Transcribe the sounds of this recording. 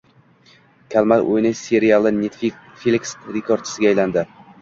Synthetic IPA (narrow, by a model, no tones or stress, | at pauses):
kʲʰalˠmat̪ʔo̰jnɪsʲe̞ɾijalˠɪnʲet̪fi | felʲiksɾekʰoɾ̚t͡ʃʰɪ̥sɪɡʲaːjland̪ɪ